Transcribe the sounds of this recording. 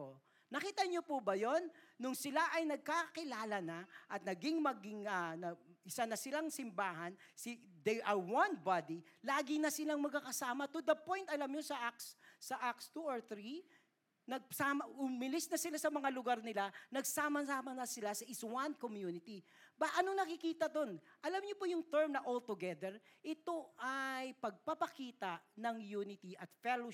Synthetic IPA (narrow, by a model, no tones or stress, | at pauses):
o | nɐkiːt̪ɐɲopubɐjo̞nːʊŋsɪlaʔɐjnɐɡ̚kakɪlaːlɐnɐʔɐt̪nɐɡɪŋmɐɡɪŋɐnɐɪsanɐsɪlaŋsɪmbaːɦɐn | sɪd̪ɛjʔɐɹwanbad̪ilaːɡɪnɐsɪlaŋmɐɡ̚kakɐsaːmɐt̪ʊd̪ɐpo̞jnt̪ɐlamɲosɐʔakssɐʔakst̪uoɹθɾi | nɐɡ̚samɐʔʊmɪlɪsnɐsɪlasɐmɐŋalʊɡaɾnɪlanɐɡsaːmɐsaːmɐnɐsɪlasɐʔɪswankomjunɪt̪i | bɐʔɐnoŋnɐkɪkiːt̪ɐd̪o̞nʔɐlamɲopojʊŋt̪ɛɹmnɐʔolt̪ʊɡɛd̪ɛɹʔɪt̪o̞ʔajpɐɡ̚pɐpɐkiːt̪ɐʔnɐŋjuːnɪt̪iʔɐt̪fɛlo